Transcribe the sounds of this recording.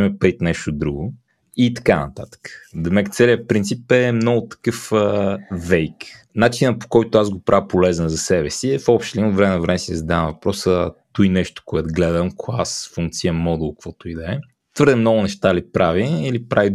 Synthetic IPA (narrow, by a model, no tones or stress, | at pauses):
ɛmɛpɐɾit̪nɛʃt̪od̪ɾuɡʊ | it̪ɐ̥kanɐ̰t̪at̪ə̥kə̥d̪əmɛkt̪sɛliəpɾint̪sipɛmnɔɡʊt̪ɐ̥kɤfəvɛjk | nat͡ʃinəpo̥kɔjt̪ʊazɡopɾʔavpolɛznəzɐsɛbɛsiɛfɔpʃt̪limot̪vɾɛmɛnɐvɾɛmɛsizɐd̪avəmvɐpɾɔsət̪ujnɛʃt̪o̥koɛt̪ɡlɛd̪əmkʰoasfuŋk̚t̪sijəmɔd̪ulˠkv̥ɔt̪ʊid̪ɛɛ | t̪vəɾd̪ɛmnɔɡʊnɛʃt̪alipɾʔaviːlipɾavi